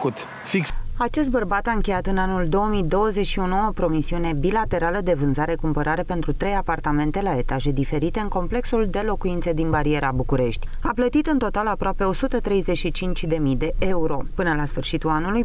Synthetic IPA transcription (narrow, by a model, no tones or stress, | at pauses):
kut̪ | fikat͡ʃe̞s̬t̪̚bərbat̪aɨŋkʲe̞jat̪ɨnanuld̪o̞omid̪o̞wəzeʃiunuopɾo̞misiune̞bilat̪e̞ɾaləd̪e̞vɨnzaɾe̞kumpəɾʔaɾe̞pe̞nt̪ɾut̪ɾe̞japart̪ame̞nt̪e̞lae̞t̪aʒe̞d̪ife̞ɾit̪e̞ɨŋko̞mple̞ksuld̪e̞lo̞kuint̪sed̪inbaɾie̞ɾabukuɾe̞ʃt̪ʲaplət̪it̪ɨnt̪o̞t̪alapɾoape̞o̞sut̪ət̪ɾe̞jze̞ʃit͡ʃint͡ʃʲd̪e̞mid̪e̞ʔe̞uɾo̞pɨnəlasfɨrʃit̪ulanuluj